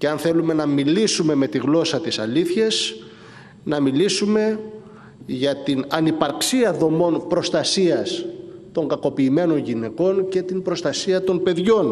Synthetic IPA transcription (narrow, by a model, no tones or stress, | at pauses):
ceɐnθe̞lume̞nɐmilisume̞me̞t̪iɣlo̞sɐt̪isɐliθçɐs | nɐmilisume̞ | ʝɐt̪inɐnipɐɾksiɐðo̞mo̞npɾo̞st̪ɐsiɐst̪o̞ŋɡɐko̞piːme̞no̞nʝine̞ko̞nce̞t̪imbɾo̞st̪ɐsiɐt̪o̞npe̞ðʝo̞n